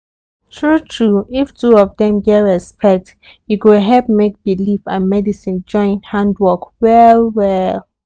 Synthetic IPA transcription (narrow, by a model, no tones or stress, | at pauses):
tʰɹutʰɹuiftʰuɔvdɛ̃mɡɛɹɛspʰɛk̚t | jukudɦɛp̚mek̚b̥ilifãnmɛdisĩnd͡ʒɔ̃ɪ̃nthãndwɔkwɛlwɛl